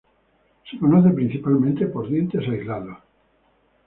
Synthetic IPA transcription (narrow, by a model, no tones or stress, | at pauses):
sekonoθepɾin̟θipalmẽnt̪epoɾðje̞nt̪esaizlaðo